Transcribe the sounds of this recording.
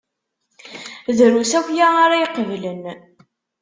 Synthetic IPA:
ðɾusæwjaaɾajiqəvlən

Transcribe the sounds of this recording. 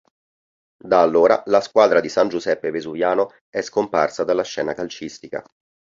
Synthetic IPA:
d̪aːlːoːɾa̰laskwaːd̪ɾad̪isand͡ʒuzɛpːevezuvjaːno | ɛskomparsad̪alːaʃːɛːnakalt͡ʃist̪ika̰

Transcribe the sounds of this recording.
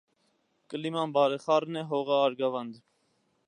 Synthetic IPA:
kəlimɑnbɑɾɛχɑɾnɛɦɔʁɑːɾɡɑvɑnd̪

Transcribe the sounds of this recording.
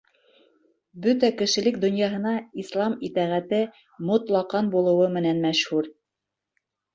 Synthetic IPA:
bɵt̪ækɘ̆ʃɘ̆lɘk̚d̪ŏnjɑɦɤ̆nɑislˠɑmit̪æʁæt̪ɘ | mŏt̪lˠɑqɑnbulˠɤ̆wɤmɘ̆nænmæʃhʉɾ

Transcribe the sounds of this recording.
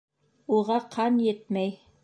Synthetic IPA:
uʁɑqʰɑnjɘt̪̚mæj

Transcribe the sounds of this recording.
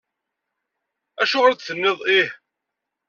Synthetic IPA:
æʃʊʁɾt͡s̪θənːɪðˤih

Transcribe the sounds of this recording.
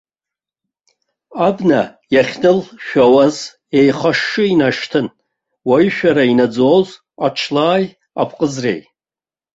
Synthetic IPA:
abnajaχʲnɨlʃᶣawaz | e̞jχaʂːɨinaʂtʰɨn | waʃᶣaɾainad͡zowz | at͡ʃʰlaːj | apʰʼqʼəzrḛj

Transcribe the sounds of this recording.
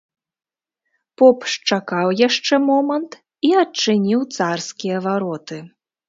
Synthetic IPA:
pɔpʂt͡ʂakawjaʂt͡ʂɛmɔmɐnt̪ | iɐt͡ʂɨnʲiwt̪sarskʲijɐvaɾɔt̪ɨ

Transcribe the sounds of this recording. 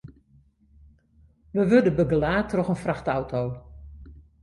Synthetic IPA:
ʋəʋødəbəɡəlaːtʰrɔxənfraxtawtʰow

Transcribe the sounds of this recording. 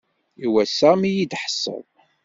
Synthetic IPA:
iwæsæmijid̪ħə̥sːə̰ðˤ

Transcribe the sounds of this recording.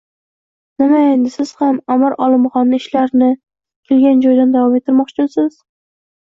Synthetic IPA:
nɪmaend̪ɪsɪz̥hamamɪɾʔɒlˠɪmχɒnːɪɪʃlaɾnɪ | kʲʰelɡʲand͡ʒɒjd̪and̪avɒmet̪ʰːɪɾmɒqt͡ʃʰɪmsɪz̥

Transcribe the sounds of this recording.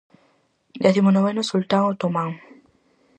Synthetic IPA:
d̪eθimonoβenosult̪aŋat̪omãŋ

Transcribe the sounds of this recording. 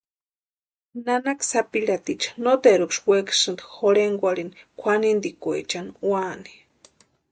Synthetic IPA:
nanaksapiɺat̪it͡ʃḁnot̪eɾukʂweksɨnd̪xoɽeŋɡʷaɾinkʷʰanind̪ikʷḛt͡ʃanwani̥

